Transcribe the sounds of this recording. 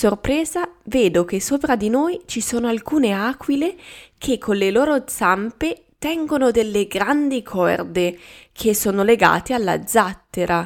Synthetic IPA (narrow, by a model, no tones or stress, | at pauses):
sorpɾɛːzaveːd̪ok̟esoːpɾad̪inojt͡ʃisoːnoalkuːneaːkwilekʰekʰːolːeloːɾod̪z̥ampe | t̪ɛŋɡonod̪elːeɡɾand̪ikʰɔ̰rd̪ekʰesːoːnoleɡa̰ːt̪ealːa̰d̪zːat̪ːeɾa